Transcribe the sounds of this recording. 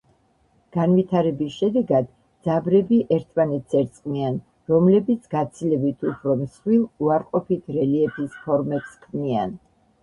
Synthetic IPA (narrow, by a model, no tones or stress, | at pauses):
ɡ̥anvit̪ʰaɾɛbisʃɛd̪ɛɡad̪ | d̪zabɾɛbiʔɛɾt̪ʰmanɛt̪sɛɾt̪sʼqʼnian | ɾɔmlɛbit̪sʰɡat̪sʰilɛbit̪ʰupʰɾɔmsχwilˠuaɾqʼɔpit̪ʰɾɛliɛpʰispʰɔɾmɛpskʰnian